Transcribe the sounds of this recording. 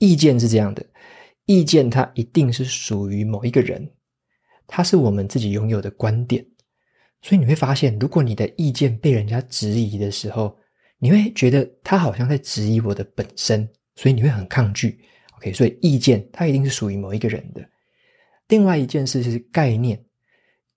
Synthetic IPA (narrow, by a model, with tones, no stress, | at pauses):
i˥˧t͡ɕjɛ˥˧nʂ̬̩˥˧ʈ͡ʂɤ˥˧jɑ˥˩ŋd̪ə˩ | i˥˧t͡ɕjɛ˥˩nt̪ʰa˦ʔi˧˥t̪i˥˧ŋʂɻ̩˥˩ʂu˨˩y˧˦mo˨˩ʊi˧˦˥ɡə˨ɻə̰˧˦n | t̪ʰa˦ʂɻ̩˥˩wɔ˨˩mə˦nt͡sɹ̩˥˩t͡ɕi˨˩jʊ˧˦ŋjo˨˩ʊd̪ə˩˦kwa˦nt̪jɛ˨˩˦n | swɔ˧˥i˨˩ni˨˩we˥˩ɪfa˦ɕjɛ˥˩nɻu˧˥kwɔ˧˦ni˨˩d̪ə˦i˥˧t͡ɕjɛ˥˧npe˥˩ɪɻə˧˦nt͡ɕja˦ʈ͡ʂɻ̩˧˥i˧˦d̪ə˨ʂɻ̩˧˥xo˥˨˩ʊ | ni˨˩xwe˥˩ɪt͡ɕɥɛ˧˥d̪ə˧t̪ʰa˦˥xɑ˨˩ʊɕjɑ˥˧ŋt͡sa˥˩ɪʈ͡ʂɻ̩˧˥i˧˥wɔ˨˩d̪ə˦pə˨˩nʂə˦n | swɔ˧˦˥i˨˩ni˨˩we˥˩ɪxə˨˩nkʰɑ˥˧ŋt͡ɕy˥˩ | o˨˧kʰe˥ɪswɔ˧˦i˨˩i˥˧t͡ɕjɛ˥˩nt̪ʰa˦˥i˧t̪i˥˧ŋʂ̬̩˥˩ʂu˨˩y˧˥mo˨˩ʊi˧˥ɡə˨ɻə̰˧˦nd̪ə˨ | li˥˧ŋwa˥˩ɪi˧˥t͡ɕjɛ˥˧nʂɻ̩˥˧ʂ̩˥˩ka˥˧ɪnjɛ˥˩n